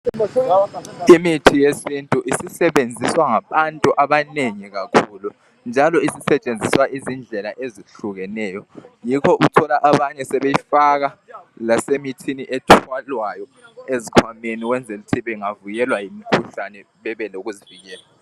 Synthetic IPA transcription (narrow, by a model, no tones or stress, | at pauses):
imitʰijesintʼuʔisisɛβend͡zʱiswaŋaβantʼuʔaβaneŋiɣakʰulu | nd͡ʒʱalɔisisɛt͡ʃʼend͡zʱiswaʔizind͡ɮʱɛlaʔeziɬuɣɛnɛːjɔjikʰɔʔutʰɔlaʔaβaɲɛsɛβejifaɣalasemitʰiniʔɛtʰwalwajɔezikʰwameniwɛnd͡zʱelutʰiβɛŋavujɛlwajimikʰuɬanɛ | βɛβɛloɣuziviɣɛːla